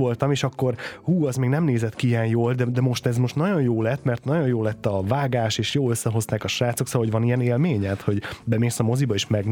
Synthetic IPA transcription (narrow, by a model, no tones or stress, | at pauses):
o̞lt̪ɒmeːʃɒkːo̞rhuːɛzmeːɡnɛmneːzɛt̪kiijɛnjoːld̪ɛd̪ɛmo̞ʃt̪ɛzmo̞ʃt̪nɒɟo̞njoːlɛt̪mɛrt̪nɒɟo̞njoːlɛt̪ːɒvaːɡaːʃeːʃjoːløsːɛɦo̞zt̪aːkɒʃaːt̪so̞ksoːoɟvɒnijɛneːlmeːɲɛt̪ho̞ɟbɛmeːsɒmo̞zibɒeːʃmɛɡ